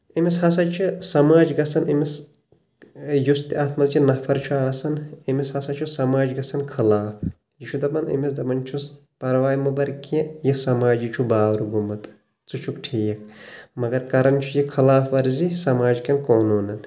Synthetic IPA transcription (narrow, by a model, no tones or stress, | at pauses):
imishɐsɐt͡ʃʰisɐmaːd͡ʒɡɐsɐnimis | just̪iaːt̪ʰmɐzt͡ʃʰinɐfʰɐɾt͡ʃʰuaːsɐnimishɐsɐt͡ʃʰusɐmaːd͡ʒɡɐsɐnkʰɐlaːf | jit͡ʃʰud̪ɐpɐnḭmisd̪ɐpɐnt͡ʃʰus | pɐɾʋaːjmubɐɾkẽjɐsɐmaːd͡ʒit͡ʃʰubaːʋɾuɡumɐt̪ | t͡sut͡ʃʰukʈʰeːjɐk̚mɐɡɐɾkɐɾɐnt͡ʃʰujikʰɐlaːfɐɾzisɐmaːd͡ʒkɐnkoːnuːnɐn